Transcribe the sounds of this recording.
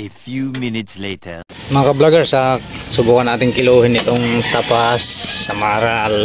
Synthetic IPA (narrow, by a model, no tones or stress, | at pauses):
efjuːmɪnɪt̪sleɪtʰəmɐŋɐkɐblaɡɛɹsɐsʊbuːkɐnʔaːt̪ɪŋkɪluːhɪnːɪt̪oŋt̪apasːɐmaːɾaɐl